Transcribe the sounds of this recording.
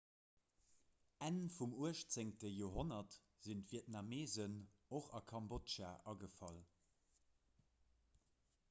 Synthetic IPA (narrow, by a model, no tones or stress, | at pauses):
ænfumuəʃt͡seŋtəjoːɦonɐt | z̥intv̥iətnameːzənoχɑkʰɑmbotʃaʔɑɡəfɑl